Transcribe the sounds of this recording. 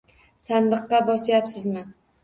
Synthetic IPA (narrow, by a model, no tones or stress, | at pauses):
sand̪ɨqːɑbɒsjapsɪzmɪ